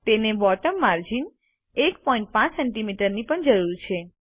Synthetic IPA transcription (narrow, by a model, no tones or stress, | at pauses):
t̪enebɔʈəmːaɾd͡ʒin | ekpɔĩɳʈ̚pãt͡ʃsɛɳʈimiʈəɾnipəɳd͡ʒəɾuɾt͡ʃʰe